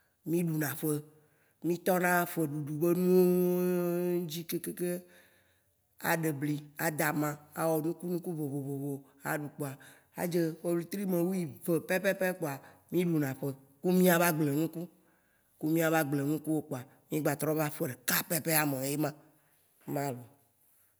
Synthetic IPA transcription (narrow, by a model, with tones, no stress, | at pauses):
mĩ˦ɖu˨nã˨ɸe˦ | mĩ˦t̪ɔ˦nã˦fe˨ɖu˨ɖu˨be˦nũ˦wo˦ | d͡ʑi˦ke˦ke˦ke˦ | a̰˨ɖe˨bli˨a˨d̪a˨mã˦a̰˨wɔ˨nũ˦ku˦nũ˦ku˦vo˨vo˨vo˨vo˨ | a̰˨ɖu˨k͡po˨a˨ | a̰˦d͡ʒe˦wo˦blu˨t̪ɾi˦mẽ˨wu˦ji˨ve˨pɛ˦pɛ˦pɛ˦k͡po˨a˨mĩ˦ɖu˨nã˨ɸe˦˨ | ku˦mĩ˦a˨va˦ɡ͡ble˨ŋũ˦ku˦ | ku˦mĩ˦a˨va˦ɡ͡ble˨nũ˦ku˦wo˦k͡po˨a˨ | mĩ˦ɡ͡ba˨t̪ɾɔ˦va˦fe˨ɖe˨ka˦pɛ˦pe˦a˨mẽ˨je˦mã˦ | mã˦lo˨